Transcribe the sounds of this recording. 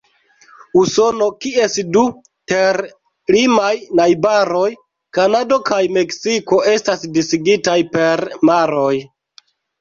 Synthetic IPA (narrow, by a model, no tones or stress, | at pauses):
uso̞no̞kie̞sdu | te̞ɾ | limajnajbaɾo̞j | kanado̞kajme̞ksiko̞e̞stasdisiɡitajpe̞ɾmaɾo̞j